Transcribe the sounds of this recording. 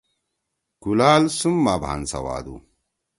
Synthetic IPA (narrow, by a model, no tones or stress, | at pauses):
ɡ̥ulaːlsumːabʱa̰nsɐ̰wa̰ːd̪ṵ